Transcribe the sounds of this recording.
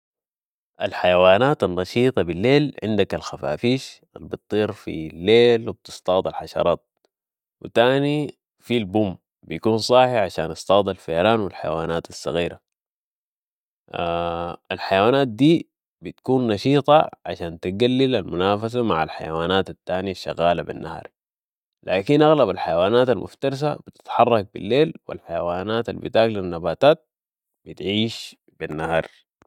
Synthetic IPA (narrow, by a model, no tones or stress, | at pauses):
ʔalħajawaːnaːt̪anːɑʃiːt̪ˤɑbilːeːlʕɪnd̪akalxafa̰ːfiːʃʔalbɨt̪ˤːiːɾfḭlːeːlwib̚t̪ɨ̥st̪ɑːd̪ˤɑlħaʃɑ̰ɾˤɑːt̪̚ | wḭt̪aːni | filbum | bijakuːnsˤɑːħiʕaʃa̰ːnʔɑst̪ˤɑːd̪ˤalfajɾaːnwilħaja̰waːnaːt̪asːɑ̰ɣiːɾa | alħajawaːnaːt̪̚d̪iː | bit̪kuːnːɑʃiːt̪ˤɑ̰ʕa̰ʃaːnt̪iɡalːilalmʊnaːfas̬amaʕa̰lħajawaːnaːt̪at̪ːaːnijaʃːa̰ɣaːlabḭnːʔahɾˤ | laːkinʔaɣlabalħajawaːnaːt̪almʔʊ̰ft̪ɑɾˤs̬a̰b̥it̪i̥t̪ħɑrˤːɑk̚bḭlːeːlwḭlħajawaːnaːt̪albḭt̪aːklinːabaːt̪aːt̪̚ | bit̪ʕiːʃ | binːahɑ̰ɾˤ